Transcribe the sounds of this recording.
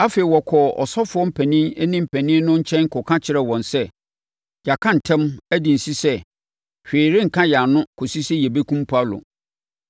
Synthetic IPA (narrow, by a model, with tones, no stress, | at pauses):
a˦fe˨i˨wɔ˨kʰɔ˨ɔ̰˨sɔ˦fʊ˨˦ɔ˦m̩˦˨pʰæ˨nĩ˦nɛ˦nĩ˦m̩˨pʰæ̃˨nɪ̃˦nʊ̃˦ɲ̩˦t͡ɕʰɛ̃˦n˦kʰʊ˨kʰã˦t͡ɕʰɪ˨ɾɛ˨wɔ̃˨nsɛ˦ | d͡ʑa˨kʰã˦n̩˨tʰɛ̃˦mæ˦di˨n̩˨si˦sɛ˦ | ɕᶣeː˨ɾe˦ŋ̩˨kʰã˦ja˨nʊ̃˦kʰʊ˨si˦sɛ˦jɛ˨be˦kʰũ˦m˦pʰu˨˦a˦lʊ̰˨